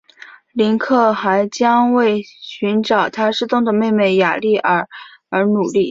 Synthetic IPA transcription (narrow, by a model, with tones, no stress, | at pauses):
li˧˥nkʰɤ˥˩xa˧˥ɪt͡ɕjɑ˥ŋwe˥˩ɪɕy˧˥nʈ͡ʂɑ˨˩ʊt̪ʰa˥ʂɻ̩˥˧t̪ʊ˥˩ŋd̪ə˨me˥˧ɪme˥˩ɪja̰˨˩li˥˩ʔə˞˨˩ə˧˥nu˨˩li˥˩